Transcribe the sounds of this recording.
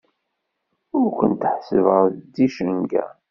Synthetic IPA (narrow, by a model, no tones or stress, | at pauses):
ʊɾkʷənt̪əħsəvəd̪iʃənɡæ̰